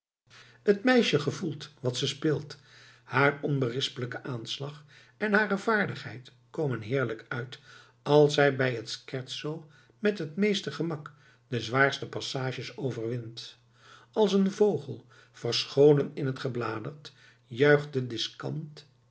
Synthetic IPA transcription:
hətmɛjʃəχəvulˠtʋɑtsəspɪːlˠt | haːrɔnbərɪspələkəʔaːnslɑχ | ɛnɦaːrəvaːɹdəχɦɛjt | kowmənɦɪːɹləkœɥt | ɑlˠsɛjbɛjətskɛɹtsow | mɛtɦətmejstəχəmɑk | dəzʋaːɹstəpɑsaːʒəsowvərʋɪnt | ɑlˠsənvowχəlˠ | v̥ərsχowlənɪnɦətχəblaːdərt | jœɥχdədɪskɑ̰nt

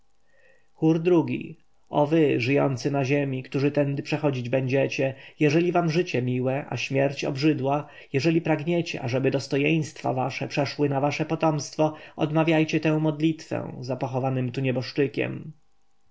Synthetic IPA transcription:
xuɾd̪ɾuɡʲḭ | ʔɔ̰vɘʐɘjɔ̰nt̪sɘnaʑemʲikt̪uʐɘt̪ɛnd̪ɘpʂɛxɔd͡ʑid͡ʑbɛɲd͡ʑɛt͡ɕɛjɛʐɛlʲivamʐɘt͡ɕɛmʲiwɛʔa̰ɕmʲjɛɾt͡ɕɔ̰bʐɘd̪wa | jɛʐɛlʲipɾaɡɲet͡ɕɛ̰ʔaʐɛbɘd̪ɔst̪ɔjej̃st̪fa̰vaʂɛpʂɛʂwɘnavaʂɛpɔt̪ɔmst̪fɔɔ̰d̪mavʲjajt͡ɕɛt̪ɛ̃w̃mɔd̪lʲit̪fɛ̰̃zapɔxɔvanɘmt̪uɲɛbɔʂt͡ʂɘkʲɛ̰m

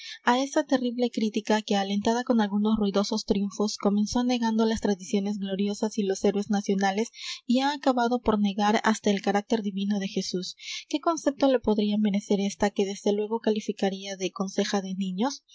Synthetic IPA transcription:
ae̞sat̪e̞riβle̞kɾit̪ikake̞ale̞nt̪aðako̞nalɣuno̞sruiðo̞so̞st̪ɾjuɱfo̞sko̞me̞nso̞ane̞ɣand̪olast̪ɾaðisjo̞ne̞zɣlo̞ɾjo̞sasilo̞se̞ɾwe̞znasjo̞nale̞siaːkaβaðo̞po̞ɾne̞ɣaɾa̰st̪ae̞lkaɾak̚t̪e̞ɾðiβino̞ðe̞xe̞suske̞ko̞nse̞p̚t̪o̞le̞po̞ðɾiame̞ɾe̞se̞ɾe̞st̪ake̞ðe̞zðe̞lwe̞ɣo̞kalifikaɾiaðe̞ko̞nse̞xaðe̞nĩɲo̞s

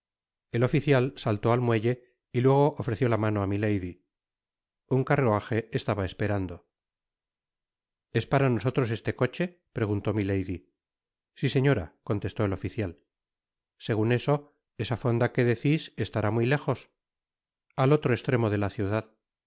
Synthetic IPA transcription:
e̞lo̞fiθjalsalt̪o̞almwe̞ʎe̞ | ilwe̞ɣ̞o̞ʔofɾeθjolamano̞amilejði | uŋkaroaxe̞est̪aβaespe̞ɾand̪o̞ | e̞spaɾano̞so̞t̪ɾo̞s̬e̞st̪e̞ko̞t͡ʃe̞ | pɾe̞ɣ̞unt̪o̞mile̞jði | sise̞ɲo̞ɾa̰ko̞nt̪e̞st̪o̞elo̞fiθjal | se̞ɣ̞une̞so̞ | e̞safo̞nd̪ake̞ðe̞θisest̪aɾamwile̞χo̞s | alo̞t̪ɾoest̪ɾe̞mo̞ðe̞laθjuðað

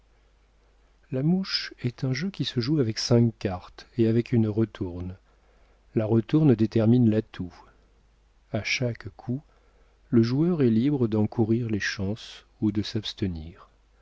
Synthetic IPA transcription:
lamuʃɛt̪ɛ̃ʒøkʲisəʒuavɛksɛ̃kkːaʁt̪eavɛkʰynʁət̪ʰuʁn | laʁət̪uʁnd̪et̪ɛʁminlat̪ʰu | aʃakkʰu | ləʒuœʁɛlibʁəd̪ɑ̃kʰuʁiʁleʃɑ̃s | ud̪əsapst̪əniːʁ

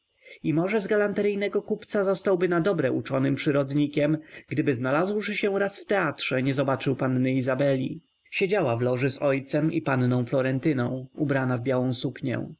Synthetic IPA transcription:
imɔʐɛzɡalant̪ɛɾɘjnɛɡɔkupt̪sazɔst̪awbɘnad̪ɔbɾɛʔut͡ʂɔnɘmpʂɘɾɔd̪ɲikʲɛmɡd̪ɘbɘznalazwʂɘɕɛɾasft̪ɛatʂɛɲɛzɔbat͡ʂɘwpanːɘizabɛlʲi | ɕed͡ʑawavlɔʐɘsɔjt̪sɛmḭpannɔ̃w̃flɔɾɛnt̪ɘnɔ̃w̃ubɾanavbʲjawɔ̃w̃sukɲɛ̰̃

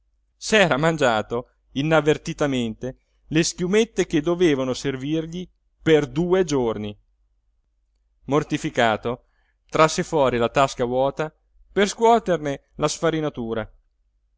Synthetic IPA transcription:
sɛːɾamand͡ʒaːt̪o | inavːert̪it̪ament̪e | leskjumet̪ːeked̪oveːvanoservirʎi | perd̪uːed͡ʒorni | mort̪ifikaːt̪o | t̪ɾasːefwɔːɾilat̪askawɔːt̪a | perskwɔːt̪erne | lasfaɾinat̪uːɾa

